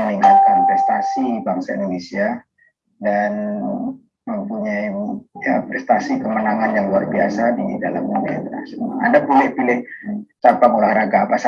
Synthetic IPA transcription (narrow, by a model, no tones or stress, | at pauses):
əniŋat̪̚kanpɾɛst̪asibaŋsaʔḭndonesia | dan | məmpuɲajjapɾɛst̪asikəmənaŋanjaŋluarbiasadida̰la̰muna̰t̪a̰sadabolɛhpilɪht͡ʃapaŋolahraɡaːpas